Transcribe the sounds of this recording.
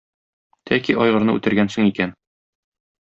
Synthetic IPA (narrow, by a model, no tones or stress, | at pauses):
t̪ʰækiʔɒjʁɤ̆ɾnɤʉ̰t̪ɘ̆ɾɡænsɵŋikæn